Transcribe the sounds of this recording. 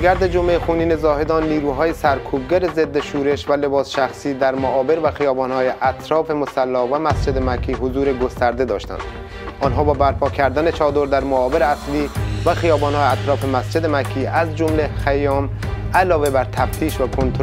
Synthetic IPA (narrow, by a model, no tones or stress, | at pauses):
ɡæɾd̪ed͡ʒomexuːniːnezɒːɦe̞d̪ɒːnːiːɾuːɦɒːjesæɾkʰuːb̚ɡæɾezed̪ːeʃuːɾe̞ʃvæle̞bɒːsʃæxsiːd̪æɾmoʔɒːbe̞ɾvæxijɒːbɒːnhɒːjeʔæt̪ʰɾɒːfe̞mosælːɒːvæmæsd͡ʒe̞d̪emækʰːiːɦozuːɾe̞ɡost̪ʰæɾd̪e̞d̪ɒːʃt̪æ̰nd̪̥ | ʔɒnɦɒːbɒːbæɾpʰɒːkʰæɾd̪æne̞t͡ʃʰɒːd̪oɾd̪æɾmoɒːbeɾeæsliːvæxijɒːbɒːnhɒːjeæt̪ɾɒːfe̞mæsd͡ʒe̞d̪emækʰːiːʔæzd͡ʒomlexæjɒːm | ælɒːve̞bæɾt̪ʰæft̪ʰiːʃvækʰont̪ʰ